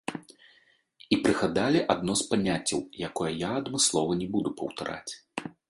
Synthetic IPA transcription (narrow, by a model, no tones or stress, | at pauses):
ipɾɨɣad̪alʲiʔad̪̚nɔspanʲat͡sʲːɐ̰wjakɔjɐjaɐd̪mɨslˠɔvɐnʲɛbud̪upɐ̰wt̪a̰ɾʔa̰t͡sʲ